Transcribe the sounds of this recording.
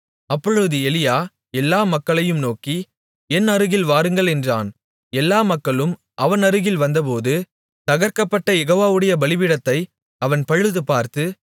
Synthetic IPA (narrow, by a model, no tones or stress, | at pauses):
ɐpːɔɻɯðɯɛlɪjaː | ɛlːaːmɐkːɐɭɐjɯmnoːki | ɛnːɐɾɯɣɪlʋaːɾɯŋɡɐɭɛndraːn | ɛlːaːmɐkːɐɭɯm | ʔɐʋɐnɐɾɯɣɪlʋɐnd̪ɐp̬oːðɯ | t̪ɐɣɐɾkɐpːɐʈːɐjɛɣoːʋaːʋɯɽɐjɐbɐlɪʋɪɽɐt̪ːɐɪ | ɐʋɐnpɐɻɯðɯpaːɾt̪ɯ